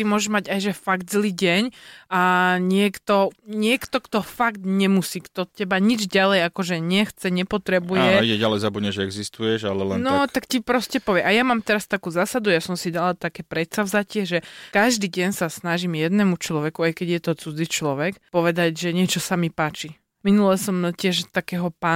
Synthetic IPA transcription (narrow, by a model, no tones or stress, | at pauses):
t̪imʊɔʒɛʒmaɟajʒɛfaɡd̪zliːɟɛɲaɲɪɛkt̪ɔɲɪɛkt̪ɔkt̪ɔfaɡt̪ɲɛmusiːkt̪ɔcɛbaɲid͡ʒɟalɛjakɔʒɛɲɛxt͡sɛɲɛpɔt̪ɾɛbujɛiɛɟalɛjzabudɲɛʒɛɛɡzist̪ujɛʒalɛlɛnnɔt̪akcipɾɔscɛpɔʋɪɛʔajamaːmt̪ɛɾast̪akuːzaːsad̪ujasɔmsidalat̪akɛpɾɛt̪savzacɪɛʒɛkaʒd̪iːɟɛɲsasnaʒimjɛd̪nɛmut͡ʃlɔʋɛkuajkɛɟjɛt̪ɔt͡sud͡zit͡ʃlɔʋɛkpɔʋɛd̪aɟʒɛɲɪɛt͡ʃɔsamipaːt͡ʃi | minulɛsɔmcɪɛʒt̪akɛːɦɔpa